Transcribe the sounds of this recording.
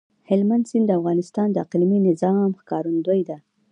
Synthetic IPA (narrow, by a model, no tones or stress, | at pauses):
hɪlmand̪sɪnd̪d̪əafɣɑnɪst̪ɑnd̪əaqlminɪzɑmxkɑɾund̪ojd̪a